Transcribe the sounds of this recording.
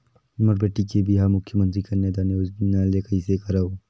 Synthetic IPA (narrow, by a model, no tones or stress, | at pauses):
ʊməɾbeːʈikebiɦamʊkʰjəmə̃nt̪ɾikaneːd̪aːneoznaːlekɐisekɐɾao